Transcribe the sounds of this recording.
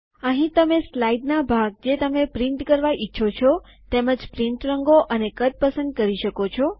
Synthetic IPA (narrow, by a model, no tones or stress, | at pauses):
əɦĩt̪əmeslaiɖnabʱaɡ̚d͡ʒet̪əmepɾiɳʈkəɾʋaʔiːʃʰot͡ʃʰɔ | t̪eməd͡ʒpɾĩɳʈɾəŋɡoʔənekət̪̚pəsənd̪̚kəɾiʃəkot͡ʃʰɔ